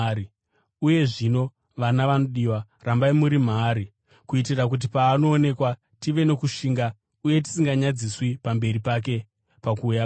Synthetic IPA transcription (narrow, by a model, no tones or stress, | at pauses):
i | uje̞ʐino̞ | ʋanaʋanoɗiwa | rambaimuɾim̤aːɾi | kuitirak̬ut̬ipaːno̞ːne̞kwa | tiʋe̞no̞kuʃiːŋɡa | uje̞t̬i̥siŋɡaɲad͡ziswipambe̞ɾipak̬e̞ | pakuːja